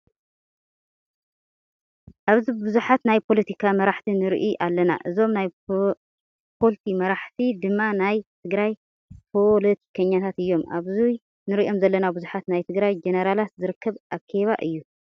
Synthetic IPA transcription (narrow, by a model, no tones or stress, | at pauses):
ʔaβzibuzuħat̪najpʰo̞lɐt̪ʰikʰamɐɾaħt̪ʰinɨɾʔiʔalːɐna̰ʔɨzo̞mnaj | pʰolt̪ʰimɐɾaħt̪ʰid̪ɨmːanajt̪ʰɨɡɾaj | pʰo̞let̪ʰi̥kʰɐɲːat̪ʰat̪ɨjːo̞mʔa̰βzuj | nɨɾiʔio̞mzɐlːɐnabuzuħat̪najt̪ʰɨɡɾajd͡ʒeneɾalat̪zɨɾɨkʰːɐβʔakʰeβa̰ʔɨjːu